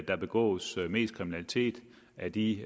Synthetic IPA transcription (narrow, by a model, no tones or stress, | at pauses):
d̥ɑ̈b̥e̝ɡ̥ɔ̰̽ːsme̝̰ːskʰʁiminælit͡sʰe̝̰ːd̥ | ʔæd̥i